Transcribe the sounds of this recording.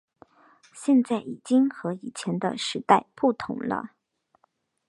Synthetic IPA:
ɕjɛ˥˧nt͡sa˥˩ɪi˨˩t͡ɕi˥ŋxɤ˧˥i˨˩t͡ɕʰjɛ˧˥nd̪ə˧ʂɻ̩˧˥t̪a˥˧ɪpu˥˩t̪ʰʊ̰˧˥ŋlə̰˧

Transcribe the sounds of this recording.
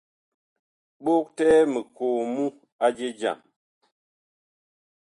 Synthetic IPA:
ɓo˦k̚tɛː˦mə˨koː˨mu˦ | a˦d͡ʒe˦d͡ʒa̰˨m

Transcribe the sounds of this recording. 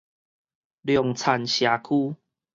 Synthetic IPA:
ljɔ˨ŋt͡sʰa˨˩nɕja˨˩kʰuː˦

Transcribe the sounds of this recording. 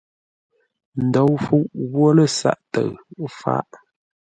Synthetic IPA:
n̩˨do˨˦wfu˦ʔɣwo˦lə˦˨sa̰˦ʔtə˨ɰfa̰˦ʔ

